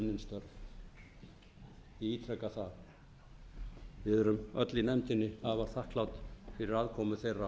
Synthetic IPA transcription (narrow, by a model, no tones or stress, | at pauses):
mnɪnst̪œɾv | iiːt̪ɾɛkaθa | vɪðɛɾʏmœt̪lɪnɛmt̪ɪnːɪavḁθahklawt̪fɪɾɪɾaðkʰɔːmʏθejrːa